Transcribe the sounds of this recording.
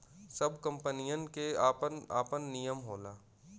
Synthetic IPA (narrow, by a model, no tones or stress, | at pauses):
sɐbʱkɐ̃mpənijənkeaːpənaːpənːijəmɦoːlaː